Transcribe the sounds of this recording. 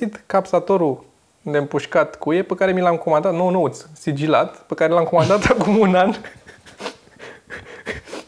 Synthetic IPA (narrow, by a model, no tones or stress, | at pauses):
it̪kapsat̪oɾu | nd̪empuʃkat̪kujepəkaɾe̞milamko̞mand̪at̪nonout̪ssid͡ʒilat̪pəkaɾelamko̞mand̪at̪akumunan